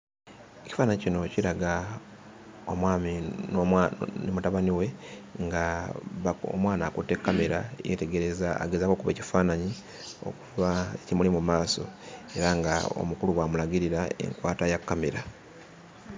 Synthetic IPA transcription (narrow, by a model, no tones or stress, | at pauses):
eci̥faːnaɲicino̞ciɾaɡa | o̞mwaːminonemutaβaniwe̞ŋɡaβao̰mwaːnaːkutːe̞kːameɾajḛte̞ɡe̞ɾe̞zaa̰ɡezako̞kuβeci̥faːnaɲi | o̰kuβaecimulimumaːso̞̰e̞ɾaŋɡa̰o̰mukuluβwamulaɡiɾiɾaḛŋkwaːtajakːameɾa